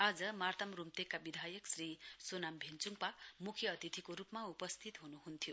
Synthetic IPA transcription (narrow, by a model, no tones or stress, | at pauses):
ad͡zʌmart̪ʌmrumt̪ekːabid̪ʱajʌksrisonambʱent͡suŋpamukʰjʌʌt̪it̪ʰikoɾupmaupʌst̪ʰit̪ɦunuɦunt̪ʰijo